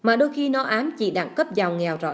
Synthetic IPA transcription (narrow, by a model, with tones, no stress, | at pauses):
maː˨˩ɗo˧jxi˧nɔ˨˦ʔaː˨˦mt͡ɕḭ˧˩˦ɗa˧˩ŋkə˦˥p̚za˨˩wŋɛ˨˩wzɔ̰˧˥